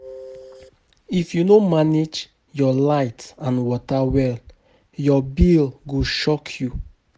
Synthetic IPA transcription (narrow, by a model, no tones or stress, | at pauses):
ifjunomaned͡ʒ | jɔlaɪtãnwɔtawɛl | jɔbilɡoʃɔkʰju